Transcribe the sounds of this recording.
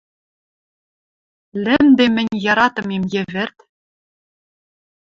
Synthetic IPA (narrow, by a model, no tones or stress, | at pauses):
lʲɘ̆md̪emɘ̆nʲjɑɾɑt̪ɤ̆memjɘ̆vʲɘ̆rt̪